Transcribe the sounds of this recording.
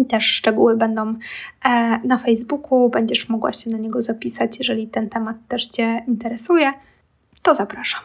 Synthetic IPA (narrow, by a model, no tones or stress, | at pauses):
t̪ɛʂːt͡ʂɛɡuwɘbɛnd̪ɔ̃w̃ | nafɛjzbukʰubɛɲd͡ʑɛʂmɔɡwa̰ɕɛnaɲɛɡɔzapʲisat͡ɕjɛʐɛlʲit̪ɛnt̪ɛmat̪ːɛʂt͡ɕɛint̪ɛɾɛsujɛ | t̪ɔzapɾaʂḁm